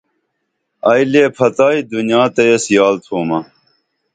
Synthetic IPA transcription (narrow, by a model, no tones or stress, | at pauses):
ɐːjleːpʰɐt̪aːid̪unjãːt̪ɐjɐsjaːlt̪ʰoːmɐ